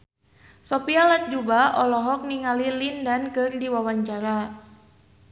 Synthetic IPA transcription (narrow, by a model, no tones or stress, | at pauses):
sɔpialat̪̚d͡ʒubaɔlɔɦɔk̚niŋalilindankɨrdiwawaɲt͡ʃaɾa